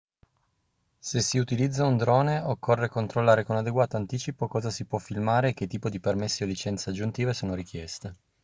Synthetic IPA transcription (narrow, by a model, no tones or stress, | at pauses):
sesiut̪ilid̪zːaund̪ɾɔːneokʰːorːekont̪ɾolːaːɾekonad̪eɡwaːt̪oant̪iːt͡ʃipokɔːzasipwɔfːilmaːɾeːk̟ːet̪ːiːpod̪ipermesːiolːit͡ʃɛnt̪sead͡ʒːunt̪iːvesoːnoɾik̟jɛst̪e